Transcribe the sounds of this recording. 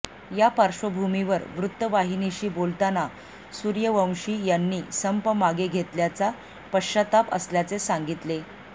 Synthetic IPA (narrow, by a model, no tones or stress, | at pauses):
japəɾɕʋəbʱumiʋəɾʋɾut̪ːəʋaɦiniɕiːbolt̪ana | suɾjəʋəw̃ɕiːjanːiːsəmpəmaɡeɡʱet̪ljat͡sa | pəɕat̪apə̰sljat͡sesãŋɡit̪le